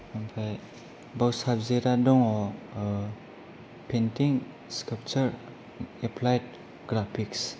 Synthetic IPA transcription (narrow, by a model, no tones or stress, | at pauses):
ampʰaj | bawsabzeɾadɔŋɔ | pʰentiŋ | skap̚t͡ʃəɾ | epʰlajt̚ | ɡɾapʰiks